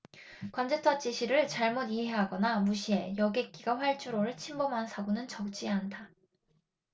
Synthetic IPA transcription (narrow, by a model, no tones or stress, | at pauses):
kwand͡ʑetʰwat͡ɕ͈iɕʰiɾɯɭt͡ɕaɭmodiɦe̞ɦaɡʌnamuɕʰie̞jʌɡe̞k͈iɡaɸwaɭt͡ɕʰuɾoɾɯɭt͡ɕʰimbʌmɦansʰaɡonɯnt͡ɕʌk̚t͡ɕ͈iandʰa